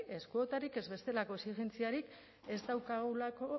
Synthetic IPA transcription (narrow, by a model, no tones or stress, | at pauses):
e̞skuo̞t̪aɾike̞zβe̞st̪e̞lako̞esiɣe̞nt͡siaɾik | e̞zd̪awkaɣulako̞